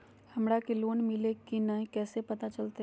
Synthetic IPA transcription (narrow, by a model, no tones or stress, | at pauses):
hɐmɾakeloːnmɪlekinaɦĩkɛːsepɐt̪at͡ʃɐlt̪e